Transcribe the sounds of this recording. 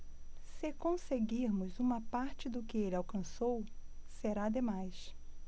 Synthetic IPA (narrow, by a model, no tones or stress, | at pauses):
sɪkõseɡiɾmʊzũmɐpaɾt͡ʃɪd̪ʊkɪelɪawkɐ̃sowseɾad̪emajs